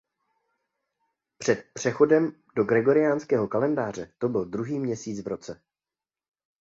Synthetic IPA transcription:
pr̝̥ɛt̪pr̝̥ɛxo̞dɛm | do̞ɡɾɛɡo̞ɾɪjaːnskɛːɦo̞kalɛndaːr̝ɛt̪o̞bɪld̪ɾuɦiːmɲɛsiːt͡svɾo̞t͡sɛ

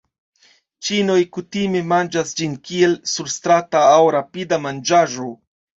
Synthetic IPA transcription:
t͡ʃino̞jkutime̞mand͡ʒasd͡ʒinkie̞lsuɾst̪ɾataːwɾapidamand͡ʒaʒo̞

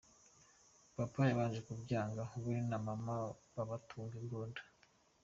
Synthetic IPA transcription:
papajaβaːnʒekubjaːŋɡahuβuɾinamamaβaβatʰuːŋɡebɡoːndḁ

